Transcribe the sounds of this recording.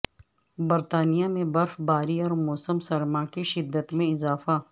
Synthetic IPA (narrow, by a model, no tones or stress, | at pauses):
bɐɾt̪aːnijamẽbɐɾfbaːɾiɔːɾmoːsəmsɐɾmakiʃɪd̪ːət̪mẽɪzaːfa